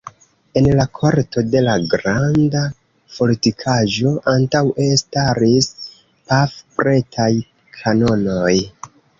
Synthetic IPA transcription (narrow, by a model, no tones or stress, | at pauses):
e̞nlakʰoɾto̞de̞laɡɾanda | fo̞litikʰaʒo̞ʔantawʔe̞staɾis | pafpɾe̞tʰaj | kʰano̞no̞j